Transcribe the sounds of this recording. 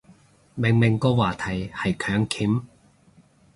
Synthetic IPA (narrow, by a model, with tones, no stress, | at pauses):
mɪ˨˩ŋmɪ˨˩ŋkɔː˧waː˨˩t̪ʰɐ˨˩jhɐ˨jkʰœː˨˥ŋkʰiː˨˥m